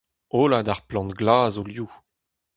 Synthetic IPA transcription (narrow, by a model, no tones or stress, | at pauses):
olad̪aʁplɑ̃ntɡlaːzolju